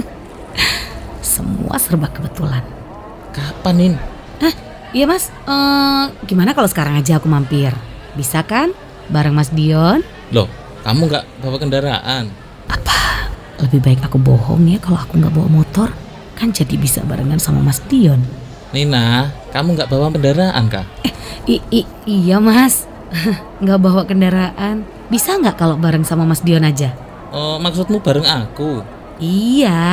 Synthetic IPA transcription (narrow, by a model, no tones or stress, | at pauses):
sə̰mṵʔa̰sərbakəbət̪ulan | kapanɪn | nah | jamas | əɡimanakalosə̥kaɾaŋad͡ʒaːkumampɪr | bisakan | baɾəŋmas̬diɔn | dɔh | ka̰muŋɡaʔbapakəndaɾa̰ʔan | ʔapa | ləbɪhbaɪkakubɔɦɔ̰ŋjakaloakuŋɡa̰ʔboɔ̰mɔt̪ɔr | kand͡ʒadibisa̰ba̰ɾəŋansama̰masdiɔn | nihnahkamuŋɡaʔbawakəndaɾaʔa̰nka̰hii | ijamas | ŋɡaʔbawakəndaɾaʔan | bisaŋɡaʔkalobaɾəŋsamamasdiɔnad͡ʒa | əmaksʊt̪̚mubaɾəŋaku | ija